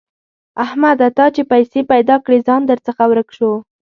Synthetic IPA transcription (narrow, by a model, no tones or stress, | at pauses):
ahmad̪at̪ɑt͡ʃepajsepajd̪ɑkɽezɑnd̪əɾt͡səxawɾəkʃo